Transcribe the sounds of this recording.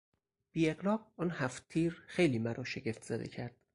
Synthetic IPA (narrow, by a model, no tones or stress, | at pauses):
b̥iːe̞ɢlɒːq̚ɒnhæft̪ʰiːɾxe̞jliːmæɾʔɒːʃe̞ɟe̞ft̪ʰz̥æd̪e̞̰cʰæɾd̪̥